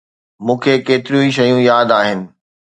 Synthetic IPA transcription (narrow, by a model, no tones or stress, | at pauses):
mũːkʰekeːt̪ɪɾijũiʃɐjũjaːd̪aːɦɪnɪ̆